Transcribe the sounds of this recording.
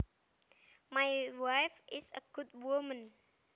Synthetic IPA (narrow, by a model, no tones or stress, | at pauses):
majwajfʔɪsəɡ̥ud̚wɔmə̃n